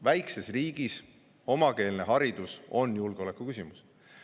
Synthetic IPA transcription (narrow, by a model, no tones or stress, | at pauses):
væjkse̞sriːɡ̥is | o̞mɑke̞ːlne̞ɦɑɾid̪̥uso̞njulɡ̥eo̞le̞kːˑukysʲimus